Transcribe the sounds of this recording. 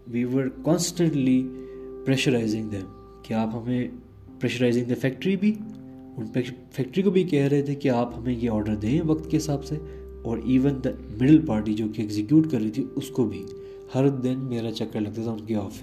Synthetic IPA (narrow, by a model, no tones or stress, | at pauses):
ʋiːʋəɾkɔ̃ːnsʈə̃ɳʈlipɾɛːʃəɾaːɪzɪ̃ŋɡd̪ɛ̃m | keaːpɦɐmẽ | pɾɛːʃəɾaːɪzɪ̃ŋd̪ɐfɛːk̚ʈəɾibʱi | ʊnpɛfɛk̚ʈɾikobʱikɛɦɾɐɦet̪ʰekiaːphɐmẽjeɔːɾɖəɾd̪ẽːɛ̃ʋɐkt̪keɦɪsaːbse | ɔːɾʔiːʋə̃nd̪ɐmɪɖəlpaːɾʈ̬id͡ʒoːkiɛɡzɪkjuːʈkɐɾːit̪ʰiʊskobʱi | hɐɾd̪ɪnmeːɾat͡ʃɐkːəɾlɐɡ̚t̪at̪ʰaʊ̃nkiɔːfɪ